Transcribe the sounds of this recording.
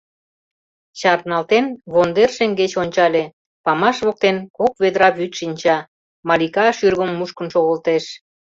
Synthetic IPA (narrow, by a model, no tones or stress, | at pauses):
ɕɑrnɑlt̪enβond̪erʃeŋɡet͡ɕonʲt͡ɕɑlʲe | pɑmɑʃβok̚t̪enkok̚βed̪ɾɑβyt̪ʃinʲt͡ɕɑ | mɑlʲikɑʃyrɣəmːuʃkə̆nʃoɣəlt̪eʃ